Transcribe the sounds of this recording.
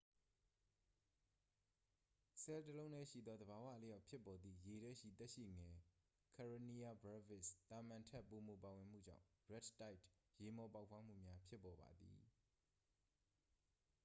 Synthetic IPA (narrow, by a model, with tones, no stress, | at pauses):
sɛ˨ltəlõ˦ʊ̃nɛ˦˨ʃḭ˦˨d̪ɔ˦d̪əba˨wä̰˦˨le˦ja˦ʊʔpʰjɪ˦pːɔ˨d̪ði˨je˨ɾɛ˦˨ʃḭ˦˨t̪ɛ˦ʔʃḭ˦˨ŋɛ˨ | kʰa˨ɹo˨ni˦ja˨bɹa˦vɪ˦˨st̪a˨mã˨ntʰɛ˦ʔpːo˨mo˨pa˨wɪ̃˨m̥ṵ˦˨d͡ʑã̰˦˨ʊ̃ɹɛ˦˨tta˦ɪtje˨mɔ˨pa˦ʊpʰwa˦m̥ṵ˦˨mja˦pʰjɪ˦pːɔ˨ba̰˨d̪ḭ˨